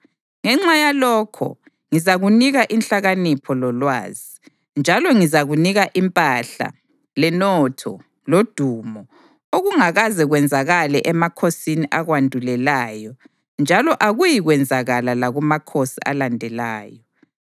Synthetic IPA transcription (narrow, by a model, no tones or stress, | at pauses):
ŋɛŋ͡ǁajalɔkʰɔ̰ | ŋizaɣuniɣaʔinɬaɣanipʰɔlɔlwa̰ːzi | nd͡ʒʱalɔŋizaɣuniɣaʔimpʼaɬa̰ | lɛnɔtʰɔ̰ | lod̥ʱumɔ | oɣuŋaɣazɛɣwɛnd͡zʱaɣalɛʔɛmakʰosiniʔaɣwandʱulɛlaːjɔ | nd͡ʒʱalɔʔaɣujiɣwɛnd͡zʱaɣalalaɣumakʰosia̰landʱɛlaːjɔ